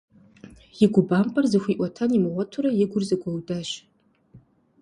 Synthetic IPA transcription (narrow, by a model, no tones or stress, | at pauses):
jiɡʷʊbampʼarzɨxʷiːʔʷɐtʰanimɨwʷɐtʰuɾajɪɡʷʊrzaɡʷɐwdaʃ